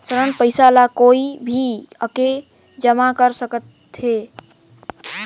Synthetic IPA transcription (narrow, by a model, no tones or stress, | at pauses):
səɾənpəjsalakoibʱiə̰ke | d͡ʒəmakəɾsəkət̪ʰːe